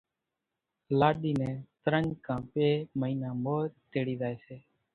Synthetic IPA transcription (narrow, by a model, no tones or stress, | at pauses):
laːɗiːnɛ̃ːt̪əɾəɲd͡ʒkʰãːpeːməiːnãːmoːɾt̪eːɽiːzaːeːseː